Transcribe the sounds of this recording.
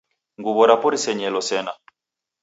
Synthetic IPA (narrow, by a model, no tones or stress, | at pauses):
ŋɡuβɔɾapɔɾisɛɲɛlɔsɛna